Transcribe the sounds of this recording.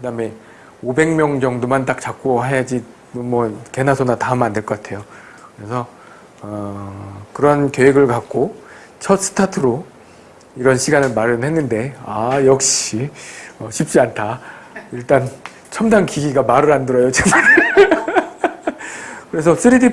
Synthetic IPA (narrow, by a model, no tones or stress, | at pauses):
kɯdame̞ | obe̞ŋmjʌŋd͡ʑʌŋdumantak̚t͡ɕak͈oɦejad͡ʑi | omʌke̞nasʰonatamandɯɭk͈ʌk͈atʰe̞jo | kɯɾe̞sʰʌ | ʌ | kɯɾʌnkjoeɡɯɭkak̚k͈o | t͡ɕʰʌt̚s͈ɯ̥tʰatʰɯɾo | iɾʌnɕʰiɡanɯɭmaɾɯɦe̞nːɯnde̞ajʌk̚ɕ͈iʌɕʰip̚t͡ɕ͈iantʰaiɭt͈an | t͡ɕʰʌmdankiɡiɡamaɾɯɾandɯɾʌjot͡ɕeaɾ | kɯɾe̞sʰʌsʰɯɾidi